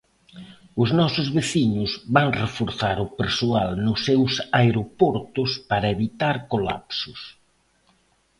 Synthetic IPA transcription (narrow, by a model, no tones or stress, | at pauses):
ʊznɔsʊzβeθiɲʊzβaŋrefoɾθaɾʊpeɾsoalnʊsːewsaeɾopɔɾt̪ʊspaɾɐeβit̪aɾkola̰psʊs